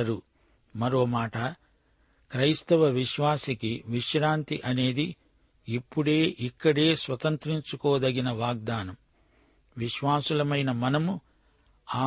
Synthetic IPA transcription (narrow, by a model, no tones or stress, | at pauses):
ɐɾu | mɐɾo̞ːmaːʈɐ | kɾɐjst̪ɐʋɐʋiʃʋaːsikiʋiʃɾaːnt̪iʔɐne̞ːd̪i | ipːuɽe̞ːʔikːɐɽe̞ːsʋɐt̪ɐnt̪ɾiɲt͡ʃukɔːd̪ɐɡinɐʋaːɡ̚d̪aːnɐm | ʋiʃʋaːsulɐmɐjnɐmɐnɐmu | aː